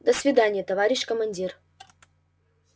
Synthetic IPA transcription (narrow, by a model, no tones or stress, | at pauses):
d̪əsvʲɪd̪anʲɪjət̪ɐvaɾʲɪɕkəmɐnʲdʲir